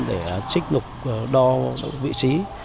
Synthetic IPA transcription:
ɗe˧˩t͡ɕï˦˥k̟̚ŋʊ˨˩k͡p̚ɗɔ˧vḭ˧˨t͡ɕi˨˦

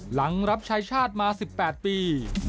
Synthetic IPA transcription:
la˩˦ŋɾa˦˥p̚t͡ɕʰaː˧jt͡ɕʰaː˥˩t̪̚maː˧si˨˩pːɛː˨˩t̪̚piː˧

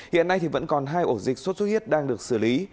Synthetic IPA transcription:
hḭ˧˨ənːa˧jt̪ʰi˨˩və̰˧˥nkɔ˨˩nɦaː˧jʔo˧˩zï˨˩k̟̚swo˦˥t̚su˦˥t̚hi˦˥ət̚ɗaː˧ŋɗɨ˨˩ək̚sɨ˧˩li˨˦

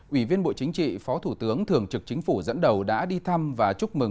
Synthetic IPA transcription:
ʔwi˧˩vi˧ənɓo̰˧˨t͡ɕï˨˦ŋ̟t͡ɕḭ˧˨fɔ˨˦t̪ʰu˧˩t̪ɨ˨˦əŋt̪ʰɨ˨˩əŋt͡ɕɨ˨˩k̚t͡ɕï˨˦ŋ̟fu˧˩zə̰˧˥nɗə˨˩wɗa̰ː˧˥ɗi˧t̪ʰa˧mvaː˨˩t͡ɕʊ˦˥mɨ˨˩ŋ

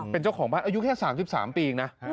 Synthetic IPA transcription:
pe˧nt͡ɕa˥˩wkʰɔː˩˦ŋbaː˥˩nʔaː˧ju˦˥kʰɛː˥˩saː˩˦msi˨˩sa̰ː˩˦mpiː˧ŋna˦˥

